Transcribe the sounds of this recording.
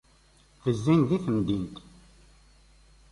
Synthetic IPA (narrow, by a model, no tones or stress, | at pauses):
θəzːinðiθəmd̪int̪